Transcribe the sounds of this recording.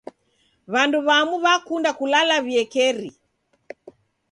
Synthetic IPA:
βanduβamuβakundakulalaβiɛkɛɾi

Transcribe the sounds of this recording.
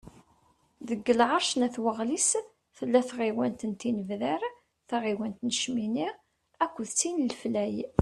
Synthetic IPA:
ðəɡːəlʕəɾˤʃnæθwəʁlis | θəlːæθʁiwænt̪ənt̪inəvðæɾ | θæʁiwænt̪nəʃminiʁ | ækʷːəðt͡sːinlflæj

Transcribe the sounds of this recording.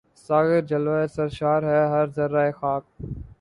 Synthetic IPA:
saːɣɪɾd͡ʒəlʋaːesəɾʃaːɾɦɛːɦəɾzəɾːaːeːxaːk̚

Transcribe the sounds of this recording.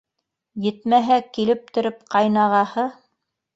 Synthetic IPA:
jɘ̆t̪mæɦækilɘp̚t̪ɵ̆ɾɵp̚qɑjnɑʁɑhɤ

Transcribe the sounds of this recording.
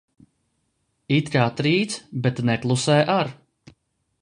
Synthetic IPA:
it̪kaːt̪ɾiːt̪sbet̪nɛklˠusɛjʔaɾ

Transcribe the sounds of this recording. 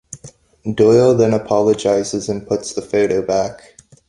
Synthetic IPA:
d̥ɔɪlˠðɨ̃nəpʰɑlˠəd͡ʒaɪzɨzɨ̃npʰʊtsðəfoʊɾoʊbæk

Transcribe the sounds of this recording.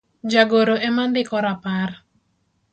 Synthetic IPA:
d͡ʒaɡoɾoʔɛmand̪ɪkɔɾapar

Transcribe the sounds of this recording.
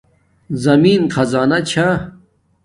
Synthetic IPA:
zɐmiːnxɐzaːnɐt͡ɕʰa

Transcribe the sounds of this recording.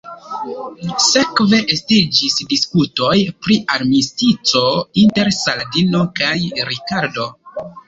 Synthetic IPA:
se̞kve̞ʔestid͡ʒisdiskuto̞jpɾiaɾmistit͡so̞inte̞ɾsaldino̞kajɾikaɾdo

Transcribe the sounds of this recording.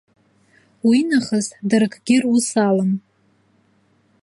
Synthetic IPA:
winaχəzdɨrkʰʼɡʲɪrusaləm

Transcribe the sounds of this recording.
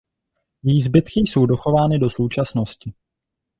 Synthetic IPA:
viːzbɪt̪kɪso̞wdo̞xo̞vaːnɪdo̞so̞wt͡ʃasno̞scɪ

